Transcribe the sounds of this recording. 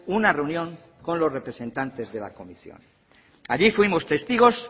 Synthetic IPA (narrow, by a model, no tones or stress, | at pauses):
unare̞unjõ̞ŋ | ko̞nlo̞zre̞pɾesẽ̞nt̪ant̪e̞zðe̞la̰ko̞misjo̰n | aʎifwimo̞st̪e̞st̪iɣ̞o̞s